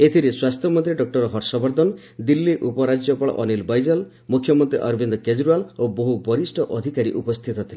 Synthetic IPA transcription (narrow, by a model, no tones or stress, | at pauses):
et̪ʰiɾeswast̪ʰjɔmɔnt̪ɾiɖɔk̚ʈɔɾɔɦɔɾsɔbɔɾd̪ɔnɔ | d̪ilːiʔupɔɾad͡ʒjɔpɔɭɔ̰ʔɔnilbɔjd͡ʒɔl | mukʰːjɔmɔnt̪ɾiʔɔɾbʱind̪ɔked͡ʒɾualoboɦubɔɾisʈʰɔʔɔd̪ʱikaɾḭʔupɔst̪ʰit̪ɔt̪ʰile